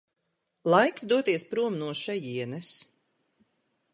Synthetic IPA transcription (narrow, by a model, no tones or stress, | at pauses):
lˠajksd̪uɔt̪iɛspɾuɔmnuɔʃɛjiɛnɛs